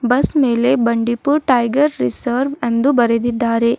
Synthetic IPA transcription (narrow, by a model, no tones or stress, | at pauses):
bɐsmeːlebɐɳɖipuɾʈɐjɡɐɾɾisɐɾʋend̪ubɐɾed̪id̪ːaːɾe